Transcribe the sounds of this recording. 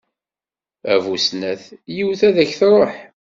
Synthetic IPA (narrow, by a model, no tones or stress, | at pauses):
ævusnæθjiwθæðæçθɾˤoħ